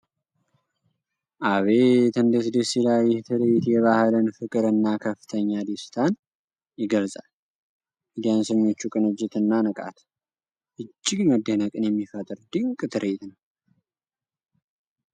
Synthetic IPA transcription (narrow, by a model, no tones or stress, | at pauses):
ʔaβe̞t̪ɨnd̪əsd̪əsilajːɪht̪ʰɨɾet̪jɛβahlɨnfɨkʼɨɾɨnːakʰəfːɨ̥t̪ʰəɲːad̪ist̪ʰan | jɪɡəlsʼa̰l | ʔid̪ijansəɲːo̞t͡ʃːukʼɨnɨd͡ʒːɪt̪ɨnːanɨkʼa̰t̪ʰ | ʔɨd͡ʒːɪɡməd̪ːənəkʼɨnjɛmːifət̪ʼɨɾd̪ikʼɨt̪ʰɨɾʔet̪nəw